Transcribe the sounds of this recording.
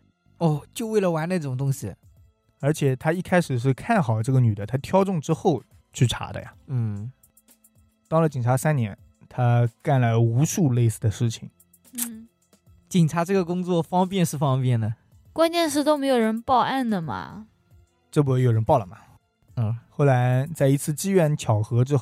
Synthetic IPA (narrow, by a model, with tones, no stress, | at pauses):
ɔ˥˩t͡ɕjo˥˧we˥˩ɪlə˩wa˧˥nle˧˥ʈ͡ʂʈ͡ʂʊ˨˩ŋt̪̬ʊ˥ŋɕi˨ | ə˞˧˥t͡ɕʰjɛ˨˩t̪ʰa˥i˥˩kʰa˥ɪʂɻ̩˨˩ʂ̬ɻ̩˥˧kʰa˥˩nxɑ˨˩ʊʈ͡ʂɤ˥˩ɡə˩ny˨˩d̪ə˦t̪ʰa˥t̪ʰjɑ˥ʊʈ͡ʂʊ˥˧ŋʈ͡ʂɻ̩˥xo˥˩ʊ | t͡ɕʰy˥˩ʈ͡ʂʰa̰˧˥d̪ə̰˧ja̰˨˩n̩˥˩ | t̪ɑ˥ŋlə˨t͡ɕi˨˩ŋʈ͡ʂʰa˧˥sa˥nnjɛ̰˧˥n | t̪ʰa˥ka˥˩nla˧˥ɪu˧˥ʂu˥˧le˥˩ɪsɹ̩˥˩d̪ə˩ʂɻ̩˥˩t͡ɕʰḭ˨˩˦ŋ | n̩˥˩ | t͡ɕi˨˩ŋʈ͡ʂʰa˧˥ʈ͡ʂɤ˥˩ɡə˩kʊ˥ŋt͡swɔ˥˩fɑ˥ŋpjɛ˥˧nʂɻ̩˥˩fɑ˥ŋpjɛ˥˩nd̪ə˩ | kwa˥nt͡ɕjɛ˥˧nʂ̬ɻ̩˥t̪o˥ʊme˧˥ɪjo˨˩ʊɻə˧˥npɑ˥˧ʊʔa˥˩nd̪ə˩mɐ̰˩ | ʈ͡ʂɤ˥˩p̬u˥˩jo˧˥˩jɻə˧˥npɑ˥˩ʊlə˩mɐ˩˧ | xo˥˩ʊla˧˥ɪt͡sa˥˩ɪi˧˥t͡sʰɹ̩˥˩t͡ɕi˥ɥɛ˧˥nt͡ɕʰjɑ˨˩ʊxɤ˧˥ʈ͡ʂɻ̩˥x